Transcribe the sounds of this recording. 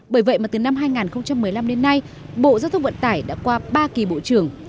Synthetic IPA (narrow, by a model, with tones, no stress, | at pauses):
ɓəː˧˩jvə̰˧˨jma˨˩t̪ɨ˨˩na˧mɦaː˧jŋaː˨˩nxə˧wŋ͡mt͡ɕa˧mːɨ˨˩əjla˧mɗe˧nːa˧j | ɓo̰˧˨zaː˧wt̪ʰə˧ŋ͡mvə̰˧˨nt̪aː˧˩jɗa̰ː˧˥kwaː˧ɓaː˧ki˨˩ɓo̰˧˨t͡ɕɨ˧˩əŋ